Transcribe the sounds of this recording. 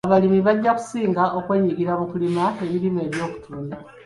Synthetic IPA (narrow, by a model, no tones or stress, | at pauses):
aβalimiβaɟːaku̥siːŋɡaʔo̞kwe̞ɲiɡiɾaβukulimae̞βiɾime̞βjo̞ːku̥tʰuːnda